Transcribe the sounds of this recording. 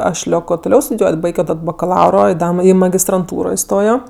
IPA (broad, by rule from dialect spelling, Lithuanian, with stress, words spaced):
ˈɐʃ ˈlʲoːkoː tʊˈlʲɛʊ stʊdʲɪˈjuɔtʲ ˈbɐɪɡʲoː ˈtɐt bɐkɐˈlˠɐʊroː ɪ ˈdɐ ɪ mɐɡʲɪstrɐnˈtuːroː ɪˈstoːjoː